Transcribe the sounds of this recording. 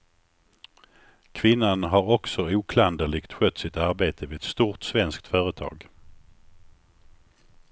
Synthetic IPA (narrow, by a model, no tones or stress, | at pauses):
kʰvɪnːanɦaɾɔksɔuːkʰland̪əɭɪɡt̪ɧœt̪ːsɪt̪aɾbeːt̪ʰəvɪɛt̪st̪uːʈsvɛnskt̪fœːɾət̪ʰɑ̰ːɡ